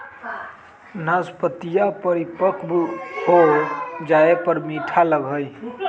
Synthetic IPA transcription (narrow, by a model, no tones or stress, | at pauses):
naspət̪ijapəɾipəkʰbɦod͡ʒaepəɾmiʈʰaləɡʱəj